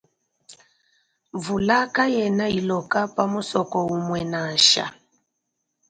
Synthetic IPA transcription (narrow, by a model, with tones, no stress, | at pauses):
ɱvu˨la˦ka˦jɛ˨na˦i˨lɔ˨ka˦pa˦mu˦sɔ˨kɔ˨u˨mwɛ˨na˨ʃa̰˨